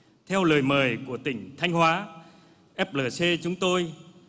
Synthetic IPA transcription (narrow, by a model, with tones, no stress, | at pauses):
t̪ʰɛ˧wləː˨˩jməː˨˩jku˧˩ət̪ï˧˩ŋ̟t̪ʰa˧jŋ̟hwaː˨˦ | ʔɛ˦˥p̚ləː˨˩se˧t͡ɕʊ˨˦ŋ͡mt̪o˧j